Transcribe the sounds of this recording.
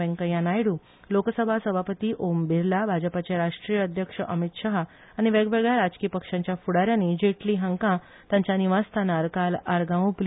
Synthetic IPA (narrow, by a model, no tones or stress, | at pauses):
ɛ̃ŋkəjãnajɽũː | lokəsəbʱasəbʱapət̪iːʔombiɾlabʱad͡ʑəpat͡ɕeɾaʂʈɾijəəd̪ʱjəkʂəʔəmit̪ɕəɦaː | ɽ̃iʋeɡʋɛɡɭjaɾad͡zkipəkʂãɲt͡ɕjafuɽaɾjãnid͡ʑeʈliɦə̃ŋkã | t̪jãɲt͡ɕjaniʋast̪ʰanaɾkalaɾɡãʋpl